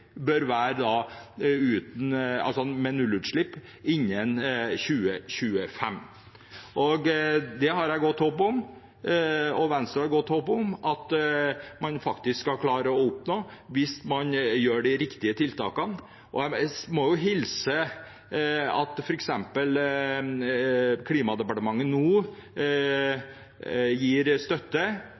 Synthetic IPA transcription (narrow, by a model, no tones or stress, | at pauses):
bœɾʋæːɾəd̪ɑ | ʉːt̪n̩ɑ̰lsɔmɛnʉlʉːt̪ʂɭɪpː | ɪɲːənçʉːəɕʉːəfɛm | ʔɔɡd̪ɛɦɑɾæɪɡɔt̪ːhoːpʊm | ɔʋɛnst̪ɾəɾhɑɾɡɔt̪ːhoːpɔmʔɑt̪ | mɑnfɑkt̪ɪskskːɑlkʰlɑːɾəɔʊpnoːʋɪsmɑnjøːɖɪɾɪkt̪ɪət̪ʰɪlt̪ʰɑ̰ːkɑn | ʔɔ̰æmɔjʊɦɪlsə | ɑ̰t̪fɔɾɛksɛmpəl | kʰliːmɑd̪ɛpɑʈəmɑŋːənnuː | jiːɾst̪œt̪ːə